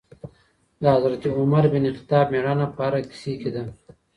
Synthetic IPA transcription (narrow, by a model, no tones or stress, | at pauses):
d̪aazɾat̪iʊmaɾbɪniqɪ̥t̪ɑːbmeɽanapaaɾaki̥siked̪a